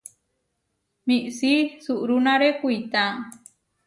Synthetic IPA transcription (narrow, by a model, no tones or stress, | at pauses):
miʔsisuʔɾunãɾekuit̪a